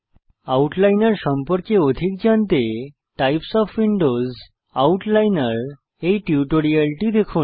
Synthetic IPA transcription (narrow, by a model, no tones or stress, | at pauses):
auʈlajnəɾsəmpəɾkeod̪ʱiːk̚d͡ʑant̪e | ʈajpsɔfʋiɳɖoz | auʈlajnəɾ | eʈjuʈoɾialʈid̪ekʰuːn